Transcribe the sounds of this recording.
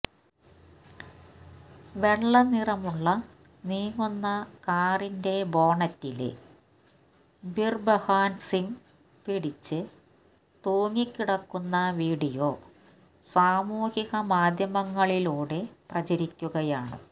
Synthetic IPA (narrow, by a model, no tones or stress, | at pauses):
ʋe̞ɭːɐnirɐmuɭːɐ | niːŋːunːɐkaːrinde̞bo̞ːɳɐtːil̰ | birbɐhaːnsiŋ | piɽit͡ɕːɨ | t̪oːŋːikʲːiɽɐkːunːɐʋiːɽijoː | saːmuːhiɣɐmaːd̪ʱjɐmɐŋːɐɭiluːɽe̞prɐt͡ɕɐɾikʲːuɣɐjaːɳɨ̰